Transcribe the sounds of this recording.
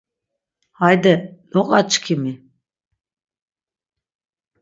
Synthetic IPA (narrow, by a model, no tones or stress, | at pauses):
hajd̪ɛlɔqʼat͡ʃkʰimi